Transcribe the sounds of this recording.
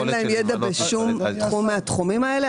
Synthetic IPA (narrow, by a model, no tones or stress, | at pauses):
laemjedabeʃumt̪χumːeat̪χumimaele